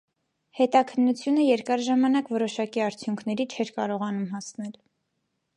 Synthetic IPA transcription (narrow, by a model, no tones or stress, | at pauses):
hɛt̪ɑkʰənːut͡sʰjunəjɛɾkɑɾʒɑmɑnɑkvɔɾɔʃɑkiɑɾt͡sʰjuŋkʰnɛɾit͡ʃʰɛɾkɑɾɔʁɑnumɦɑsnɛl